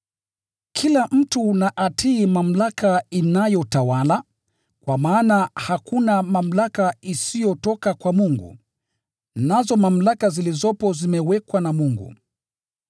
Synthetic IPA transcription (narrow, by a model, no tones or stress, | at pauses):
kʰilam̩tunaʔatʰiːmam̩lakainajɔtawala | kwamaːnahakunamam̩lakaisijɔtɔkakwamuŋɡṵ | nazɔmam̩lakazilizɔpɔzimɛwɛkwanamuŋɡṵ